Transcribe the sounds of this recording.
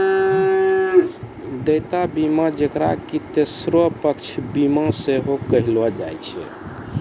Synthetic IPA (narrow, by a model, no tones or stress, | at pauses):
d̪əjt̪abimãd͡ʒekɾa̰kit̪esɾopəkt͡ʃʰbimãseɦokəɦilʋɔd͡ʒajt͡ʃʰɛ̰